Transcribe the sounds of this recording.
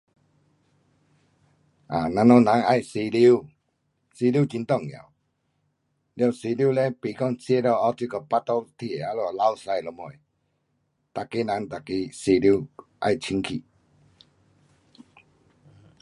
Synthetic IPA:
a̰˨nã˧nɔ˧nã˨˦ŋa˥˧˨jsi˧li˦u˦ | si˧li˦t͡ɕi˧nt̪ɔ˦˨ŋja̰˨w | lja˧˨si˧li˦le˦pi˧˨kɔ˧˨ŋsi˧e˦ɾɔ˧˨a˧˦wt̪i˧kɔ˧˩pa˦t̪ɔ˦t̪ʰi˧e˨a˧lo˧˨la˦wsa˧jlo˨˧˦mo˨e˨ | t̪a˨ke˦nã˨˦ŋt̪a˨ki˧si˧li˦ʔa̰˧jt͡ɕʰi˧˦ŋkʰḭ˨

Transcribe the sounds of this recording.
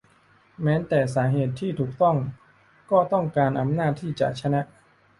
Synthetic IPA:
mɛː˦˥nt̪ɛː˨˩s̬aː˩˦ɦeː˨˩t̪ʰːiː˥˩t̪ʰuː˨˩k̚t̪ɔ˥˩ŋ | kɔː˥˩t̪ɔ˥˩ŋkaː˧nʔa˧mnaː˥˩t̪ʰːiː˥˩t͡ɕa̰˨˩k̚t͡ɕʰa˧˥na˦˥ʔ

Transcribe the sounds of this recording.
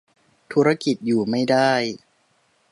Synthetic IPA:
t̪ʰuː˦˥ɾa˥ki˨˩t̪̚juː˨˩ma˥˩jdaː˥˩j

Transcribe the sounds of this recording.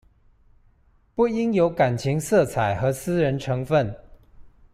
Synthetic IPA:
pu˥˩i˥njo˧˥ʊka˨˩nt͡ɕʰi˧˥ŋsɤ˥˩t͡sʰa˨˩ɪxɤ˧˥sɹ̩˥ɻə˧˥nʈ͡ʂʰɤ˧˥ŋfə˥˨n

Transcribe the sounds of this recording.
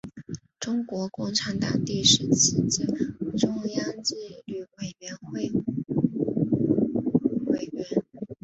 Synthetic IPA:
ʈ͡ʂʊ˥ŋkwɔ˧˥kʊ˥˩ŋʈ͡ʂʰa˧˥nt̪ɑ̰˨˩ŋt̪i˥˩ʂɻ̩˥˧˥t͡ɕʰi˥t͡ɕi˥˩ʈ͡ʂʊ˥ŋjɑ˥ŋt͡ɕi˥˧ly˥˩we˨˩ɪɥɛ˧˥nxwe˥˩ɪ | we˥˩ɪɥɛ˧˥n

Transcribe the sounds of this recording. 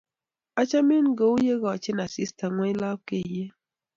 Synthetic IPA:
a˦t͡ʃa˦mi˦nɡo˨˦wje˦ɡɔ˨t͡ʃe˦na˨si˦sta˨ŋwɛ˦la˦p̚ke˦˨je˦

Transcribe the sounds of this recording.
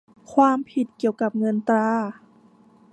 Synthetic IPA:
kʰwaː˧˥mpʰi˨˩t̪̚ki˨˩əwka˨˩p̚ŋɤ˧˥nt̪ɾaː˧˥

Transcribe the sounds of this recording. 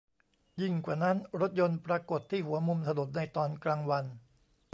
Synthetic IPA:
ji˥˩ŋkwaː˨˩na˦˥nɾo˦˥t̪̚jo˧npɾaː˧ko˨˩t̪ʰːiː˥˩hu˩˦ɐmu˧mt̪ʰa˧nu˨˩t̪̚na˧jt̪ɔː˧nklaː˧ŋwa˧n

